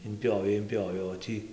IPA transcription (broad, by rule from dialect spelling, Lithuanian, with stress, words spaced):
ɪmʲˈpʲjoːʋʲɛɪ ɪmʲˈpʲjoːʋʲɛɪ oː ˈtʲiː